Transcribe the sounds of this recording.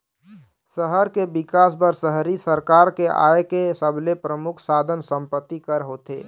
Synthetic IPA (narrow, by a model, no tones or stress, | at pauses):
səɦəɾkebikas̬bəɾsəɦɾisəɾkaɾkeʔa̰ekesəbʱlepɾəmukʰsad̪ʱənsəmpət̪ːikəɾɦot̪ḛ